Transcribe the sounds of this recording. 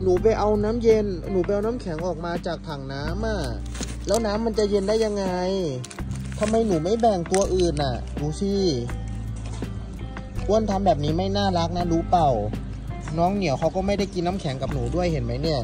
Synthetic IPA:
nuː˩˦p̬a˧jʔa˧wnaː˦˥mje˧nːuː˩˦pa˧jʔa˧wnaː˦˥mkʰɛ˩˦ŋʔɔː˨˩k̚maː˧t͡ɕaː˨˩k̚t̪ʰaː˨˩ŋnaː˦˥mʔa˧˩ | lɛː˦˥wnaː˦˥mːa˧nt͡ɕa˨˩je˧ndaː˥˩jːa˧ŋːa˧j | t̪ʰa˧mːa˧jnuː˩˦ma˥˩jbɛː˨˩ŋt̪u˧ɐʔɯː˨˩nʔa˨˩ | duː˨˦t̪ʰiː˧˥˩ | ku˧˩ənt̪ʰa˧mbɛː˨˩p̚niː˦˥ma˥˩jnaː˥˩la˦˥k̚na˦˥luː˦˥pa˨˩w | nɔː˦˥ŋni˨˩˦əwkʰa˧˥wkɔː˥˩ma˥˩jda˥˩jki˧nːaː˦˥mkʰɛ˩˦ŋka˨˩p̚nuː˩˦du˥˩əjhe˩˦nma˦˥jni˥˩ɐ

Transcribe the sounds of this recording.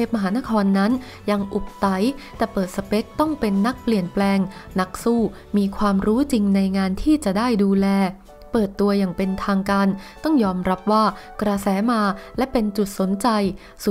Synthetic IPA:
eː˥˩p̚ma˧ɦaː˩˦na˦˥kʰɔː˧nːa˦˥n | ja˧ŋʔu˨˩p̚t̪a˨˩˦jt̪ɛː˨˩pɤː˨˩t̪̚sa˧pe˦˥t̪̚t̪ːɔ˥˩ŋpe˧nːa˦˥k̚pli˨˩ənplɛː˧ŋ | na˦˥k̚suː˥˩ | miː˧kʰwaː˧mɾuː˦˥t͡ɕi˧ŋna˧jŋaː˧nt̪ʰiː˥˩t͡ɕa˨˩daː˥˩jduː˧lɛː˧ | pɤː˨˩t̪ːu˧ɐjaː˨˩ŋpe˧nt̪ʰaː˧ŋkaː˧nt̪ɔ˥˩ŋjɔː˧mɾa˦˥p̚waː˥˩kɾa˧sɛː˩˦maː˧lɛ˦˥pe˧nt͡ɕu˨˩t̪̚so˩˦nt͡ɕa˧j | su˨˩

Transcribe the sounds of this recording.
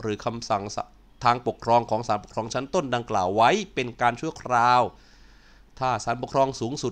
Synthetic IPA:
ɾɯː˩˦kʰa˧msa˨˩ŋsa˨˧ | t̪ʰaː˧ŋpo˨˩kʰɾɔː˧ŋkʰɔː˩˦ŋsaː˩˦npo˩kʰɾɔː˧ŋt͡ɕʰa˦˥nt̪o˥˩nda˧ŋklaː˨˩wːa˦˥jpe˧nkaː˧nt͡ɕʰu˥˩ɐkʰɾaː˧w | t̪ʰaː˥˩saː˩˦npu˨˩ə˩kʰɾɔː˧ŋsuː˩˦ŋsu˨˩

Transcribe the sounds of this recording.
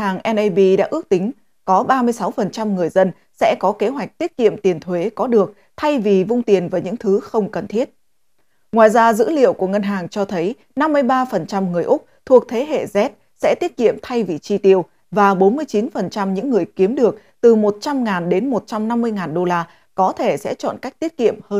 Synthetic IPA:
aː˨˩ŋʔɛ˧nʔə˧ɓi˧ɗa̰ː˧˥ʔɨ˦˥ək̚t̪ï˨˦ŋ̟ | kɔ˨˦ɓaː˧mɨ˧əjsa˨˦wfə˨˩nt͡ɕa˧mŋɨ˨˩əjzə˧n | sɛ̰˧˥kɔ˨˦ke˨˦ɦwa˨˩jk̟̚t̪i˦˥ət̚kḭ˧˨əmt̪i˨˩ənt̪ʰwe˨˦kɔ˨˦ɗɨ˨˩ək̚ | t̪ʰa˧jvi˨˩vʊ˧ŋ͡mt̪i˨˩ənvaː˨˩ɲɨ̰˧˥ŋt̪ʰɨ˨˦xə˧wŋ͡mkə˨˩nt̪ʰi˦˥ət̚ | ŋwaː˨˩jzaː˧zɨ̰˧˥lḭ˧˨əwku˧˩əŋə˧nɦaː˨˩ŋt͡ɕɔ˧t̪ʰə˨˦j | na˧mːɨ˧əjɓaː˧fə˨˩nt͡ɕa˧mŋɨ˨˩əjʔʊ˦˥k͡p̚t̪ʰu˨˩ək̚t̪ʰe˨˦ɦḛ˧˨zɛ˦˥t̚ | sɛ̰˧˥t̪i˦˥ət̚kḭ˧˨əmt̪ʰa˧jvi˨˩t͡ɕi˧t̪i˧˩əw | vaː˨˩ɓo˨˦nmɨ˧əjt͡ɕi˨˦nfə˨˩nt͡ɕa˧mɲɨ̰˧˥ŋːɨ˨˩əjki˨˦əmɗɨ˨˩ək̚ | t̪ɨ˨˩mo˨˩t̚t͡ɕa˧mŋaː˨˩nɗe˨˦nmo˨˩t̚t͡ɕa˧mna˧mːɨ˧əjŋaː˨˩nɗo˧laː˧ | kɔ˨˦t̪ʰe˧˩sɛ̰˧˥t͡ɕɔ̰˧˨nka˦˥jk̚t̪i˦˥ət̚kḭ˧˨əmhəː˧

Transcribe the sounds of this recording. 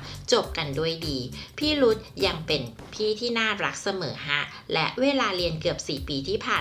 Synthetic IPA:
t͡ɕo˨˩p̚ka˧ndu˥˩əjdiː˧pʰiː˥˩ɾu˦˥t̪̚ja˧ŋpe˧n | pʰiː˥˩t̪ʰiː˥˩naː˥˩ɾa˦˥k̚sa˧mɤ̰ː˩˦ɦa˦˥ʔ | lɛ˦˥ʔweː˧laː˧ɾi˧ənkɯ˨˩əp̚siː˨˩piː˧t̪ʰiː˥˩pʰaː˨˩

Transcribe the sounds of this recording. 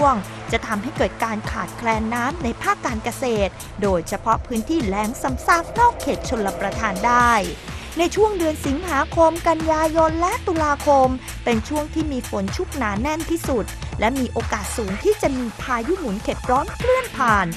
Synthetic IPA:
əŋ | t͡ɕa˨˩t̪ʰa˧mɦa˥˩jkɤː˨˩t̪̚kaː˧nkʰaː˨˩t̪̚kʰlɛː˧nːaː˦˥mna˧jpʰaː˥˩kːaː˧nka˧seː˨˩t̪̚ | doː˧jt͡ɕʰa˧pʰɔ˦˥pʰɯː˦˥nt̪ʰiː˥˩lɛː˩˦ŋsa˨˦msa˦˥˩k̚nɔː˥˩kʰːeː˨˩t̪̚t͡ɕʰo˧lːa˧pɾa˧t̪ʰaː˧ndaː˥˩jna˧jt͡ɕʰu˥˩əŋdɯ˧ənsi˨˩˦ŋɦaː˩˦kʰo˧mka˧njaː˧jo˧nlɛ˦˥t̪u˧laː˧kʰo˧m | pe˧nt͡ɕʰu˥˩əŋt̪ʰiː˥˩miː˧fo˩˦nt͡ɕʰu˦˥k̚naː˩˦nɛ˥˩nt̪ʰiː˥˩su˨˩t̪̚lɛ˦˥miː˧ʔoː˧kaː˨˩t̪̚suː˩˦ŋt̪ʰiː˥˩t͡ɕa˨˩ʔmiː˧pʰaː˧ju˦˥mu˨˩˦nkʰe˨˩p̚ɾɔː˦˥nkʰlɯ˥˩ənpʰaː˨˩n

